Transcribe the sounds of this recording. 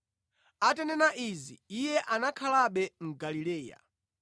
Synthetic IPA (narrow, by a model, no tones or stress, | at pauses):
atɛnɛnaʔizḭijɛʔanakʰalaɓɛŋ̩ɡalilɛːja̰